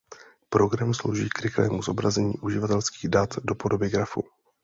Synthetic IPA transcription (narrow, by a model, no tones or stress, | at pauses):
pɾo̞ɡɾamslowʒiːkɾɪxlɛːmuzo̞bɾazɛɲḭːʔuʒɪvat̪ɛlskiːɣdat̪do̞po̞do̞bɪɡɾafu